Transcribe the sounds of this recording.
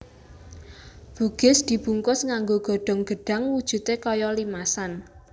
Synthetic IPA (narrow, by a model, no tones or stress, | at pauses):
b̥uɡ̥ɪ̤sd̪̥i̤b̥ṳŋkʊsŋaŋɡoɡ̥ɔ̤ɖ̥ɔ̤ŋɡ̥ə̤ɖ̥ä̤ŋwud̥ʒ̥ṳt̪ekɔjɔlimasan